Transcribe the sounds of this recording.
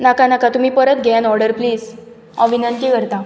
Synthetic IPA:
nakanakat̪um̤iːpəɾət̪ɡʱɛanɔɾɖəɾpliːs | ɔ̃ʋinənt̪ikəɾt̪a

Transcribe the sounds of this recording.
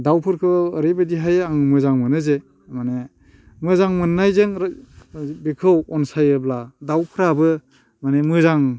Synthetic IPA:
dawpʰɯɾkʰɯːɾebɯdiɦajaŋmɯzaŋmɯnɯze | mane | mɯzaŋmɯnːajzɯŋɾ | bikʰɯwɔnsajɯbladawpʰɯɾabɯ | manemɯzaŋ

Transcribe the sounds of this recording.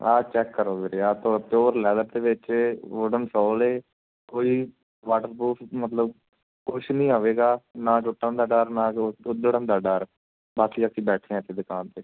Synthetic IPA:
aːt͡ʃɛːkːəɾoːɡeɾeːaːt̪ʰoːɽt̪eoːɾlɛːd̪əɾd̪eːʋɪt͡ʃoːɖənsɔːleː | koːiː | ʋaːʈəɾbuːfʰmət̪ləb | koːʃnĩːɦoːʋeːɡaːnaːt͡ʃʊʈːə̃nd̪aːɖaːɾnãːʊd̪əɽə̃nd̪aːɖəːɾ | baːsiːəksĩːbɛːʈʰẽːɛ̃ːt̪ʰːeːd̪ʊkãːnt̪eː

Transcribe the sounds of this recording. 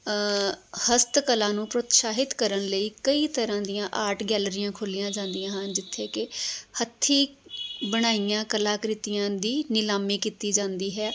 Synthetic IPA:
həst̪kəlãːnũːpɾʊt̪ʃaːɦɪt̪kəɾəɳləiːkəiːt̪əɾãːd̪ɪjãːʔaːʈɡɛːlɾɪjãːkʰʊlɪjãːd͡ʒãːnd̪ɪjãːɦə̃nd͡ʒɪt̪ʰːeːkɪhət̪ʰːiːbəɽ̃aːijãːkəlaːkɾɪt̪ɪjãːd̪iːnɪlaːmiːkiːt̪iːd͡ʒãːnd̪iːɦɛː

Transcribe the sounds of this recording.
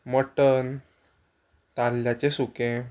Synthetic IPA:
məʈən | t̪alːjat͡ɕesukẽ

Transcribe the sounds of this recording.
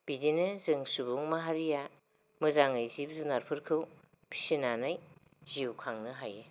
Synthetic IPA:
b̥idinɯzɯŋsubuŋmaɦaɾija | mɯzaŋɯjzib̚zunaɾpʰɯɾkʰɯw | pʰi̥sinanaj | ziwkʰaŋnɯɦaje

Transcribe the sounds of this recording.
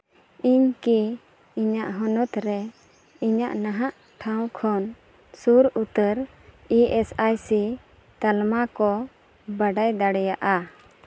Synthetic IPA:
iɲki | iɲaʔɦɔnɔt̪ɾɛ | iɲaʔnaɦaʔ | ʈʰãwkʰɔn | suɾut̪əɾ | iɛsajsi | t̪almakɔ | baɖajd̪aɽɛjaʔa

